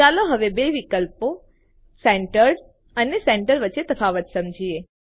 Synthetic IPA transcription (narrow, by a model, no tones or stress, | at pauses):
aloɦəʋebeʋikəlpo | seɳʈəɾ | əneseɳʈəɾʋətːʃet̪əfaʋət̪səmd͡ʒie